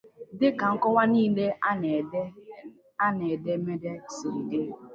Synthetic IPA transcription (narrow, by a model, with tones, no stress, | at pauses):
dɪ˦ka˨ŋ̩˦kɔ˦wa˦niː˦le˦ | a˦ne˨de˦me˦de˦si˨ɾi˨de˦